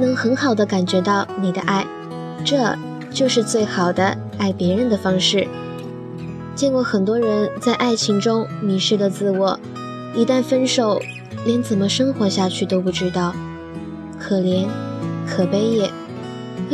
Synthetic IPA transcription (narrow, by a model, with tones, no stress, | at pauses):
nɤ˧˥ŋxə˧˥nxɑ˨˩ʊd̪ə˦ka˨˩nt͡ɕɥɛ˧˥t̪ɑ˥˩ʊni˨˩d̪ə̰˦ʔa˥˩ɪ | ʈ͡ʂɤ˥˧ | t͡ɕjo˥˧ʊʂɻ̩˥˧t͡swe˥˩ɪxɑ˨˩ʊd̪ə˦ | a˥˩ɪpjɛ˧˥ɻə˧˥nd̪ə˨fɑ˥ŋʂɻ̩˥˩ | t͡ɕjɛ˥˩˧nkwɔ˥˩xə˨˩nt̪wɔ˥ɻə˧˥nt͡sa˥˧ɪʔa˥˩ɪt͡ɕʰi˧˥ŋʈ͡ʂʊ˥ŋmi˧˥ʂɻ̩˥˩d̪ə˨t͡sɹ̩˥˩wɔ˨˩ | i˧˥t̪a˥˩nfə˥nʂo˨˩ʊ | ljɛ˧˥nt͡sə˨˩mə˦ʂɤ˥ŋxwɔ˧˥ɕja˥˧t͡ɕʰy˥˩t̪o˥ʊpu˥˩ʈ͡ʂɻ̩˥t̪ɑ˥˩ʊ | kʰɤ˨˩ljɛ˧˥nkʰɤ˨˩pe˥ɪjɛ˥˩